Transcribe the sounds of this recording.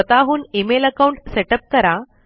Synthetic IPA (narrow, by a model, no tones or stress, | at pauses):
ət̪aɦuːnimeləkauɳʈseʈəp̚kəɾa